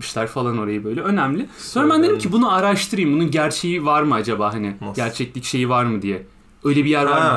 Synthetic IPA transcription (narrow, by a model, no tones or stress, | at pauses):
ʃlʲæɾfalˠano̞ɾajɯbø̞jlʲɛø̞næmlʲɪssonɾabænb̪enʲimcʰibunuaɾaʃt̪ʰɯɾɯjɯmbununɟæɾt͡ʃʰe̞jivaɾmɯad͡ʒabaːɦanɪɟæɾt͡ʃʰɛclʲicʃe̞jivaɾmɯd̪ijɛ | ø̞jlʲɛbijæɾvvaɾ